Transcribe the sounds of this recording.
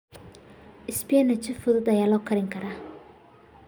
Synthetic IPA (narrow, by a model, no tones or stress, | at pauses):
ʔɪspɪjɛnɐt͡ʃɪfʊðʊd̪ɐjaːlɔːkʰɐɾɪŋkʰɐɾaː